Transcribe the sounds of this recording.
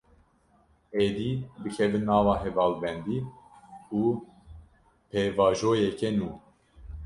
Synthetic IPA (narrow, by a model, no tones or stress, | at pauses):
eːd̪iːbɨkʰɛvɨnːɑːvɑːɦɛvɑːlbɛnd̪iː | uː | pʰeːvɑːʒoːjɛkɛnuː